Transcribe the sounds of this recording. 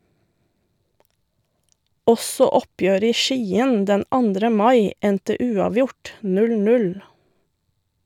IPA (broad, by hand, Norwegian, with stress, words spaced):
ˈɔsɔ ˈɔpjøːɾə ˈiː ˈʃiːən ˈdɛn ˈɑndɾə ˈmɑɪ ˈɛntə ˈʉːɑːˌʋjʊʈ ˈnʉl ˈnʉl